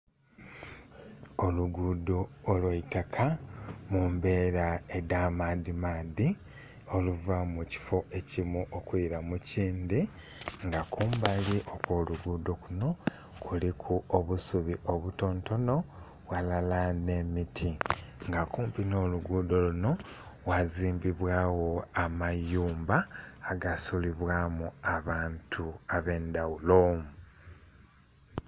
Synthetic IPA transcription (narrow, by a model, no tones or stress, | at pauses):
o̞luɡudo̞ːlweitakʰamumbe̞ːɾaedaːmadimaːdi | o̞luvamuci̥fo̞e̞cimuʔokwiːɾamuciːnd̪i | ŋɡakʰuːmbaliʔo̞kwo̞ːluɡuːdo̞kuno̞ | kʰulikʰuoβusuβiʔo̞βuto̞ːnto̞no̞ | βwalalane̞mitʰiŋɡakuːmpino̞ːluɡuːd̪o̞luno̞ | waziːmbiβwaːwo̞amajuːmbaːɡasuliβwaːmuaβaːntʰuaβe̞ːnd̪awulomu